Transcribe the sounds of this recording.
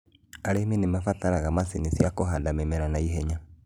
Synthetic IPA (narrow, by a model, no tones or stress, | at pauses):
aɾemenemafataɾaɣamasinisjakoɦadamemɛɾanaiɦɛɲa